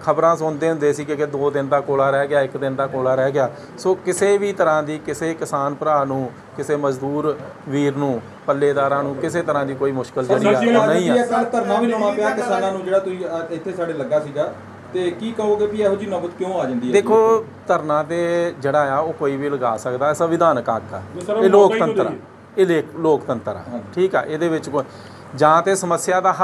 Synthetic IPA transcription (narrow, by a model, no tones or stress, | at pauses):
kʰəbɾãːsʊnd̪eːɦʊ̃nd̪eːsiːkɪkɪd̪oːd̪ɪnd̪aːkoːlaːɾɛːɡɪaːɪkd̪ɪnd̪aːkoːlaːɾɛːɡɪjaː | soːkɪseːʋiːt̪əɾãːd̪iːkɪseːkɪsaːnpəɾaːnũː | kɪseːməzd̪uːɾ | ʋiːɾnũː | pəlːeːd̪aːɾãːnũːkɪseːt̪əɾãːd̪iːkoːiːmʊʃkəld͡ʒəːɽaːnəĩːɛːɛːət̪əɾnãːʋiːlõːaːpɪaːkɪsaːnãːnũːd͡ʒeːɽaːt̪ʊsĩːɪt̪ʰːeːsaːɽeːləɡaːsiːɡaː | t̪eːkiːkəoːɡeːbiːɛːɦod͡ʒiːnəbət̪kjõːaːd͡ʒãːnd̪iːɛd̪eːkʰːoː | t̪əɾnãːt̪eːd͡ʒeːɽaːjaːoːkoːiːʋiːləɡaːsəkd̪aːsəʋɪd̪aːnka̰ːka̰ːeːloːk̪ə̃nt̪əɾa | eleːkloːkt̪ənt̪əɾa̰ːʈʰiːkɛ̰ːʔeːd̪eːʋɪt͡ʃko | d͡ʒãːt̪eːsəməsɪjaːd̪aː